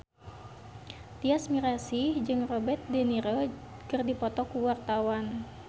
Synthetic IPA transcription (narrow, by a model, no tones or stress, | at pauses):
t̪iasmiɾasid͡ʒɨŋrɔbɛt̪̚dɛniɾokɨrdipɔt̪ɔkuwart̪awan